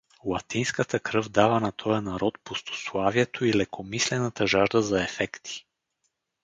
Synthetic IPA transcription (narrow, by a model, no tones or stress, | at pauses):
lˠɐt̪inskət̪əkɾɤvd̪avɐnɐt̪ʰɔjɐnaɾɔt̪̚post̪ʰo̥slˠaviɛt̪ʰoilɛkʰomislɛnat̪əʒaʒd̪əzaɛfɛkt̪ʰi̥